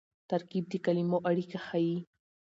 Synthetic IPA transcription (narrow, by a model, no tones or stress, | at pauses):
t̪aɾkib̚d̪ekalimoʔaɽikaxaji